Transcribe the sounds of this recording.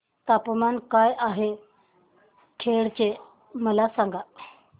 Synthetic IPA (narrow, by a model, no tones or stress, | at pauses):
t̪apmankajʔaɦe | kʰeɽt͡ɕe | məlasãŋɡa